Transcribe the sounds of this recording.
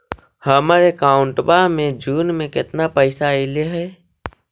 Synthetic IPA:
həmaɾekaːʊ̃ɳʈbamẽd͡ʒuːnmẽkɪt̪napəɪsaileɦɛː

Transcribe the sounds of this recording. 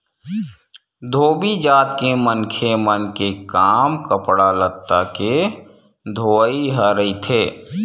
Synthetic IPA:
d̪ʱoːbid͡ʒaːt̪kemənkʰemənkekaːmkəpɽalət̪ːake | d̪ʱoːiɦəɾəit̪ʰeː

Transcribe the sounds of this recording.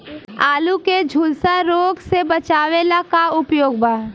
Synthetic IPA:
aːluked͡ʒʱulsaɾoːɡsebət͡ʃaːʋelakaʊpjoːɡ̚baː

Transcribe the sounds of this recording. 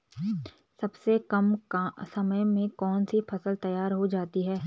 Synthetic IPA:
sɐbsekɐmsɐməjmẽkɔːnsipʰɐsəlt̪ɐjaːɾɦod͡ʒaːt̪iɦɛː

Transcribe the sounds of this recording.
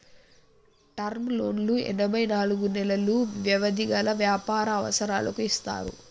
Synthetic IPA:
ʈɐɾmlo̞̰ːnluɛ̰nɐbɐjnaːluɡunɛlɐluʋjɐʋɐd̪iɡɐlɐʋjaːpaːɾɐːʋɐ̰sɐɾaːlɐkuist̪a̰ːɾṵ

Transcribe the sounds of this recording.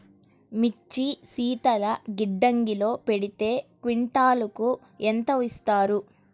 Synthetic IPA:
mit͡ʃːisiːt̪ɐlɐɡiɖːɐŋɡilo̞ːpe̞ɽit̪e̞ːkʋiɳʈaːluku | ent̪ɐʋist̪aːɾu

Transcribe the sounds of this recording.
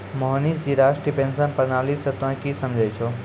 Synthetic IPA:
moɦniːs̬d͡ʑiɾaːʃʈɾipensə̃npɐnaːliːsɐt̪ʋãkisɐ̃md͡ʑʱet͡ʃʰoː

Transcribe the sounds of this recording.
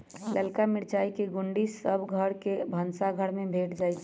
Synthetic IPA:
ləlkamiɽt͡ʃaikeɡuɳɖisəbɡʱəɾkebʱənsaɡʱəɽmebʱeʈd͡ʒaːjt͡ʃʰ

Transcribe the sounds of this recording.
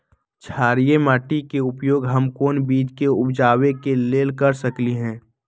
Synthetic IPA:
t͡ʃʰaːɾijemaːʈikeʊpjoːɡɦɐmkoːnbiːd͡ʒkeʊbd͡ʒaːwekeleːlkɐɾsəkliɦɛ̃ː

